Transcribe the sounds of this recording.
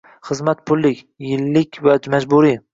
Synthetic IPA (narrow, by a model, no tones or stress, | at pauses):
χɨzmat̪̚pʰʊlːɪkʲ | jɪlːɪkʲvamad͡ʒbʊɾi